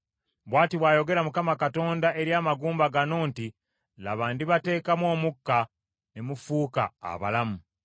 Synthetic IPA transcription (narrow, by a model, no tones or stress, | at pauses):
βwaːtiβwaːjo̞ɡe̞ɾamukamakato̞ːndae̞ɾjaːmaɡuːmbaɡano̞ːnti | la̰βaːndiβate̞ːkamwo̞ːmukːa | nemufuːka̰ːβa̰lamu